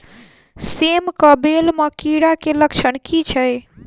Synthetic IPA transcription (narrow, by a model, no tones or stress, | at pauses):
semkəbelməkiɽakeləkt͡ʃʰənkit͡ʃʰəj